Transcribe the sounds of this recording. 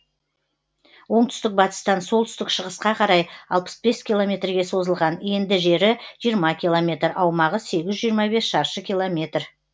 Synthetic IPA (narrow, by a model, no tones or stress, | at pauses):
wo̞ɴt̪ʰʏ̥st̪ɪk̚bɑt̪ə̥st̪ɑnsolˠt̪ʰʏst̪ɪkʃəʁəsqɑqʰɑɾɑjɑlˠpə̥sbe̞skʲilˠo̞mʲe̞t̪rɡʲe̞so̞zəlˠʁɑne̞nd̪ɪʒe̞ɾɪʒ̥ijəɾmɑkʲʰilˠomʲe̞t̪ɾɑwmɑʁəse̞ɡʲɪzʒijəɾmɑbe̞sʃɑɾʃəkʲijlˠo̞mʲe̞t̪r